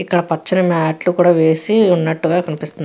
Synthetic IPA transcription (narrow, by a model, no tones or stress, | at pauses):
ikːɐɽɐpɐt͡ʃːɐnɐmaːʈlukuːɽaːʋe̞ːsiunːɐʈːuɡaːkɐnipist̪un